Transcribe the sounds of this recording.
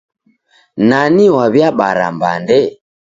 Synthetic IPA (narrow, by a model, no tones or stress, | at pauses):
naniwaβjaɓa̰ɾa̰mba̰ndɛ